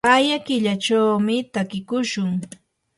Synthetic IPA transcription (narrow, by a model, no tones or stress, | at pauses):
ajakɪʎat͡ʃawmɪt̪akɪkʊʃʊŋ